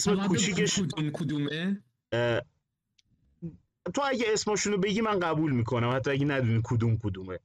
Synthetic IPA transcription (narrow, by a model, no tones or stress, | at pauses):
esmekʰut͡ʃʰiːkʰeʃud̪umkʰud̪ume | t̪ʰoæɟeesmɒːʃunobe̞ɟiːmænɢæbuːlmiːkʰo̞næmhæt̪ːɒæɟenæd̪uniːkʰod̪uːmkʰod̪uːme